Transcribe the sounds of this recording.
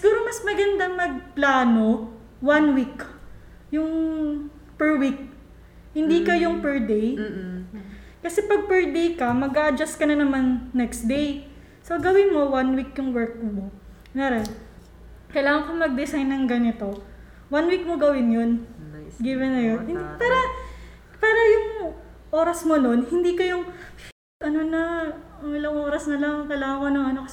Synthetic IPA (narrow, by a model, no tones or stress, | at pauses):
sɪɡuːɾomɐsmɐɡɐnd̪ɐŋmɐɡ̚plaːno̞ | wɐnwik | jʊŋ | pɛɹwik̚ | hɪnd̪iːkɐjʊŋpɛɹd̪ej | kɐsɛpɐɡ̚pɛɹd̪ejkɐmɐɡaʔɐd͡ʒast̪̚kɐnɐnɐmanːɛkst̪d̪ej | soɡɐwɪnmo̞wanwikjʊŋwɛɹk̚mo | mɛɾɛn | kɐjlaːŋɐŋkomɐɡ̚d̪ɪsajnːɐŋɡɐnɪt̪o̞ | wɐnwik̚moɡɐwɪnjo̞nɡivɛnːɐjonhɪnd̪ipaːɾɐ | paːɾɐjʊŋ | ʔo̞ːɾɐsmo̞no̞nhɪnd̪ikɐjoŋ | ʔɐno̞nɐɐŋɪlɐŋʔoːɾɐsnɐlaŋkɐjlaːŋɐŋkonɐŋɐno̞kɐsɛ